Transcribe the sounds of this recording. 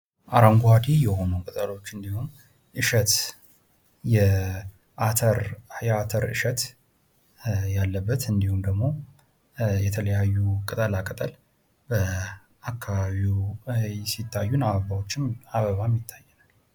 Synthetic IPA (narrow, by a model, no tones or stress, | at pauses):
ʔaɾaŋɡwad̪ijɛho̞nukʼət̪ʼəlo̞t͡ʃːɨnd̪ihun | ʔɨʃət̪ | jɛ | ʔat̪ʰəɾjɛat̪ʰəɾɨ̰ʃət̪ | jalːəbːət̪ɨnd̪ihumd̪əɡmo̞ | jɛt̪ʰələjajːukʼɨt̪ʼəlakʼət̪ʼəl | bə | ʔakʰːaβaβiw | sit̪ːajːunaβəβawot͡ʃːɪnaβəβamjɪt̪ʰːajːɛnal